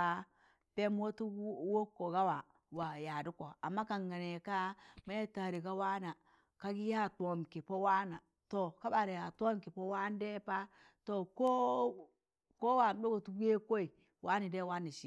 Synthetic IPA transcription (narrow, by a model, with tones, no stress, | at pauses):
a˦ | pe˦m˦wo˦tu˦wo˦kːo˨ɡa˦wa˨ | wa˨ja˨du˦ko˨a˨mːa˦ka˨ŋɡa˨ne˨ka˦ma˦je˦ta˨ɾi˨ɡa˦wa˦na˨ | ka˦ɡi˦ja˦˨to˨mki˨po˦wa˦na˨ | to˨ka˦ba˨ɾi˨ja˨tʷo˦mki˨po˦wa˦n˦de˦pa˦ | to˨ko˦ | ko˦wa˨m˦do˦ɡo˨tu˦ɡe˦ko˦i˨ | wa˦ni˨de˦wa˦ni˨ʃi˨